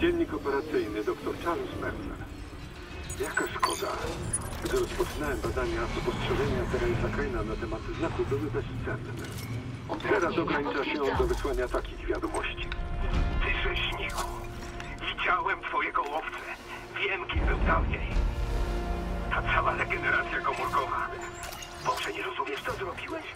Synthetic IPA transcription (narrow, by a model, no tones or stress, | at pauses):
d͡ʑɛnʲːikɔpɛɾat̪sɘjnɘd̪ɔkt̪ɔɾtalusmɛɾt̪ɛ̰ɾ | jakaskɔd̪a̰ɡd̪ɪɾɔspɔt͡ʂnawɛmbad̪aɲat̪ɔpɔstʂɛʐɛɲɛat̪ɛɾajɛsakajnanat̪ɛmat̪znakubɘwɘbɛɕt̪sɛnː | ɛ̰ | ɔt̪ɛɾasɔɡɾaɲit͡ʂaɕɛɔd̪ɔvɪswaɲʲat̪akʲiɣvʲjad̪ɔmɔɕt͡ɕit̪ɪʐɛɕɲiku | vʲid͡ʑawɛmt̪fɔjɛɡɔwɔft̪sɛ | vʲjɛmkʲibɘwd̪avɲej | t̪at̪sawalɛɡɛnɛɾat̪sʲjakɔmuɾkɔva | d̪̥ɔfʂɛɲɛɾɔzumʲjɛʂt̪ɔzɾɔbʲiwɛɕ